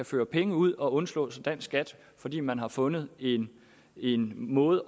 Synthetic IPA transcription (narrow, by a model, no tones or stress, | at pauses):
æføːɐpʰeŋəuð̰ˠɒ̽ɔ̽nslɔ̰̽ːsɒd̥æn̰sɡ̥æd̥ | fɒ̽d̥ḭːmænɦɑ̈fɔ̽nð̩ˠe̝n | e̝nmɔ̽ːð̩ˠ